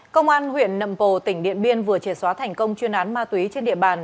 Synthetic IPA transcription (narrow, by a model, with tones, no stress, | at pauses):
kə˧wŋ͡mʔaː˧nɦwḭ˧˨ənːə̰˧˨mpo˨˩t̪ï˧˩ŋ̟ɗḭ˧˨ənɓi˧ənvɨ˨˩ət͡ɕe˧˩swaː˨˦t̪ʰɛ˨˩jŋ̟kə˧wŋ͡mt͡ɕwi˧ənʔaː˨˦nmaː˧t̪wi˨˦t͡ɕe˧nɗḭ˧˨əɓaː˨˩n